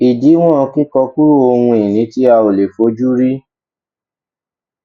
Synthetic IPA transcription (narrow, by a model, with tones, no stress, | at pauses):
i˨di˨˦w̃ɔ̃˦˧ki˦kɔ˧ku˦ɾu˦o˧hũ˧i˨nĩ˨˦ti˦a˧o˨le˨fo˨˦d͡ʒu˦ɾi˦